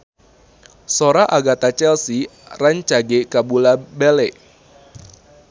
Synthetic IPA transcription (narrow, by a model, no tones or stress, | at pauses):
soɾaʔaɡat̪at͡ʃɛlsiraɲt͡ʃaɡekabulabɛlɛʔ